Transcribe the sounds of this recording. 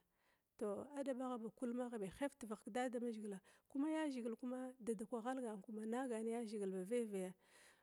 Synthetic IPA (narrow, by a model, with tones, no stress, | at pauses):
to˨a˦da˨ba˦ɣa˨ba˨ku˦lma˦ɣa˨ba˨xe˦fti˨va˨kda˦da˨ma˦ʒi˨ɡla˨ku˦ma˦ja˦ʒi˨ɡi˨lku˦ma˦da˨da˨kʷa˨ɣa˦lɡa˨ŋ˨ku˦ma˨na˦ɡa˨n˦ja˦ʒi˨ɡi˨lba˨ve˦va˨ja˦